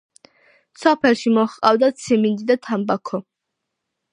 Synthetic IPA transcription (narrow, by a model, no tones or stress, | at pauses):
sɔpʰɛlˠʃimɔχqʼavd̪at̪sʰimind̪id̪at̪ʰambakʰɔ